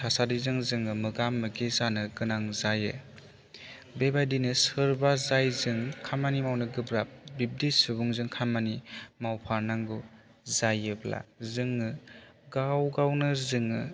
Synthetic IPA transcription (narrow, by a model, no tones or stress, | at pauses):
tʰasadizɯŋzɯŋɯmɯɡamːɯɡizanɯɡɯnaŋzajɯ̰ | bebajdinɯsɯɾbazajzɯŋkʰamanimawnɯɡɯbɾap̚bib̚disɯbuŋzɯŋkʰamanimawpʰaɾnaŋɡu | zajɯbla̰zɯŋɯɡawɡawnɯzɯŋɯ